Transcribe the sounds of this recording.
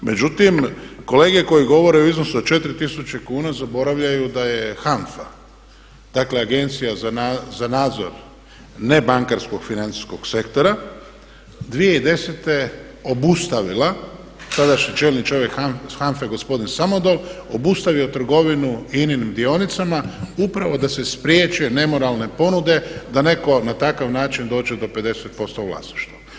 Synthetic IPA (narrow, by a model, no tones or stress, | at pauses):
me̞d͡ʒut̪imko̞le̞ːɡe̞ko̞jiɡo̞ʋo̞ɾe̞uiznosut͡ʃe̞t̪ɾit̪isut͡ɕekuːnazabo̞ɾaʋʎajud̪aje̞xanfa | d̪̥akle̞aɡe̞nt̪sijazaazanaːd̪zo̞̰ɾ | ne̞baŋkaɾsko̞ɡ̥finant̪i̥sko̞ɡ̥se̞kt̪o̞ɾa | d̪ʋijeid̪e̞set̪e̞ | o̞bust̪aʋila | t̪ad̪aʃɲit͡ʃelʲnit͡ʃo̞ʋje̞kaxanfeɡo̞spo̞d̪insamod̪olobust̪aʋiot̪r̩ɡo̞ʋinuininimd̪io̞nit̪samaupɾaʋo̞d̪ase̞spɾjeːt͡ʃujene̞mo̞ɾalˠne̞po̞nud̪e̞d̪ane̞ko̞nat̪akaʋnaːt͡ʃind̪o̞ːd͡ʒed̪o̞pe̞d̪e̞set̪̚po̞st̪oʋla̰sniʃt̪ʋa